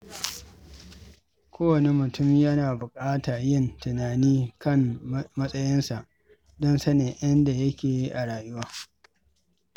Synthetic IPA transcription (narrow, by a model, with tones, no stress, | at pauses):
kʷʰoː˦wɐ˨ne˨mʊ˨tʊ˦˨mjɐ˦naː˨bʊ˨kʼaː˦taː˨jɪ˦˨ntʊ˨naː˨niː˦kɐ˦ŋmɐ˦sʼɐ˦jɪ˦nsa˨ʔ | dɔ˦nsɐ˦neː˨ʔɐ˦nda˨jɐ˦kʲeː˨ji˦ʔa˨ɽaː˨jʊ˦waː˦